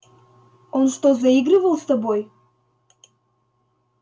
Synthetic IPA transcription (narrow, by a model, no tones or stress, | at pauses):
onʂt̪ozɐiɡrɨvəlˠst̪ɐboj